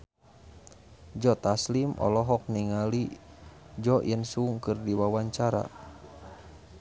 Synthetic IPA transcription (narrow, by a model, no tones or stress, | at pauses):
d͡ʒɔt̪aslimʔɔ̰lɔɦɔk̚niŋali | d͡ʒɔjənsuŋkərdiwawaɲt͡ʃaɾa̰